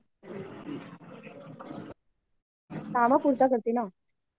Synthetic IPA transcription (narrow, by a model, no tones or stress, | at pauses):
t̪aːmakuːɾt̪ak̬ɐɾt̪iːnãː